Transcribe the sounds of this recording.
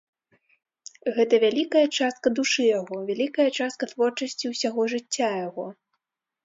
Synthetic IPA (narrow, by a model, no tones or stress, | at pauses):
ɣɛt̪ɐvʲalʲikɐjɐt͡ʂast̪̚kɐd̪uʂɨjaɣɔvʲalʲikɐjɐt͡ʂast̪̚kɐt̪vɔrt͡ʂɐsʲt͡sʲiwsʲaɣɔʐɨt͡sʲːajaɣɔ